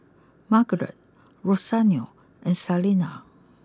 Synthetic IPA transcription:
maɡɹɛ̰t̪̚ | ɹosanjo | ʔɛ̃nsalina

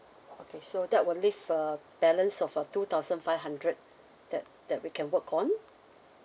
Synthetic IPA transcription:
okʰesodɛt̚wɪllifə | b̥ɛlə̃nsɔfətut̪aʊzə̃nfaɪvɦãndɹət̚ | d̥ɛt̚d̥ɛt̚wikʰɛ̃nwəkʰɔ̃n

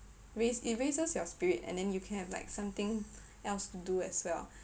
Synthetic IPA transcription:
ɹesit̚ɹesəsjɔspiɹitɛ̰̃ndɛ̃njukʰɛ̃nhɛvla̰ɪksãmt̪ɪ̃ŋ | ʔɛlstuduɛ̰swɛl

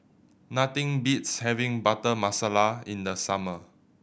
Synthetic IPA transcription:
nat̪ĩŋbitshɛvĩŋbatəmasalaĩndəsamə

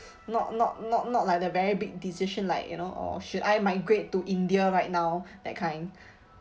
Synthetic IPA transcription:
nɔtnɔt̚nɔt̚nɔt̚laɪk̚əvɛɹibik̚disiʃə̃nlaɪkjṵnoʔɔ̰ʃudajmaɪɡɹet̚ːuʔĩndiəɹaɪt̚nawdɛ̰t̚kʰãɪ̃n

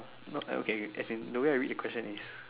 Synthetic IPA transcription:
noʔo̰keɛ̰tsĩndəweajɹit̚dəkw̥ɛst͡ʃə̃nis

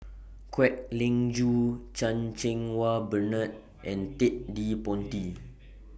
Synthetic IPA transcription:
kwɛʔ̚lĩŋd͡ʒut͡ʃãnt͡ʃɛ̃ŋwabənə̃t̪̚ | ʔɛ̃nt̪iʔ̚dipɔ̃nti

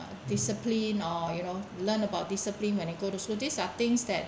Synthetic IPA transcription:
disəplĩnɔjunolə̃nəbaʊt̚disəplĩnwɛ̃niɡotuslodisat̪ɪ̃ŋsdɛt̚

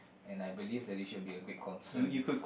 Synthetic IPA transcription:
ɛ̃najbilivd̪ɛt̚disʃud̚biəɡɪt̚kʰɔ̃nsə̃jukud̚kʰ

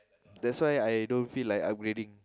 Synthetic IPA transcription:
dɛtswajajdõnfilajka̰p̚ɡɹedĩŋ

